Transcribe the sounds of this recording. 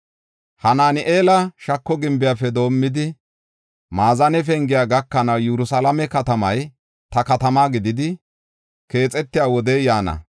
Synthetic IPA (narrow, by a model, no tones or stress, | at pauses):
hɐnaːnɪʔeːlɐʃɐkːɔɡɪmbɪjaːfɛd̪o̞ːmːɪd̪ɪ | maːzɐnɛf̬ɛŋɡɪjaːɡɐkːɐnɐwjɛɾʊsalɐmɛkɐt̪ɐmɐj | t̪ɐkɐt̪ɐmaːɡɪd̪ɪd̪ɪ | ke̞ːt͡sʼɛt̪ːɪjaːwɔd̪ɛjjaːnɐ̰